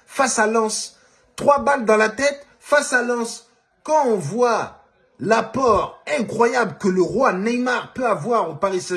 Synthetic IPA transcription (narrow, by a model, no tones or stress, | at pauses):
fasalɑ̃s | t̪χwabald̪ɑ̃lat̪ɛt̪ | fasalɑ̃s | kɑ̃ɔ̃vwa | lapɔʁɛ̃kχwajablkələʁwanɛjmaʁpøavwaʁopaʁisɛ